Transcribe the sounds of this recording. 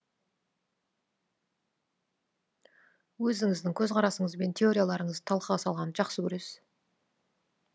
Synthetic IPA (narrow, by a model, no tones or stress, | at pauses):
wɵzɪŋɪzd̪ɪŋkʲʰɵzqʰɑɾɑsəɴəzbe̞nt̪ʲʰe̞o̞ɾʲijalˠɑɾəɴəzt̪ʰɑlˠqəʁɑsɑlˠʁɑnʒɑqsəkʲʰɵɾe̞s